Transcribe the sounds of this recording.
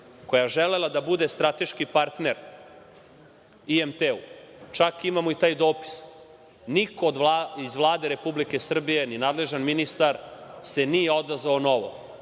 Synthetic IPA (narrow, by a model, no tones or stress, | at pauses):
ko̞jaʒele̞lad̪abud̪est̪ɾat̪e̞ʃkipaɾt̪ne̞ɾ | iemt̪eṵt͡ʃakimamoit̪aːjd̪o̞ːpi̥s | nikod̪izʋlˠaːd̪e̞ɾe̞publike̞sr̩bije̞ninaːd̪le̞ʒanminist̪aɾse̞nijeo̞d̪azʋaono̞ʋo̰